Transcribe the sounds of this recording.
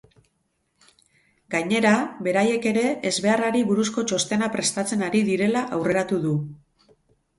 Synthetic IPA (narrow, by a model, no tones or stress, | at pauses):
ɡaɲe̞ɾaβe̞ɾaje̞ke̞ɾe̞ːzβe̞araɾiβuɾusko̞t͡ʃo̞st̪e̞napɾe̞st̪at͡se̞naɾiðiɾe̞laʔawre̞ɾat̪uðu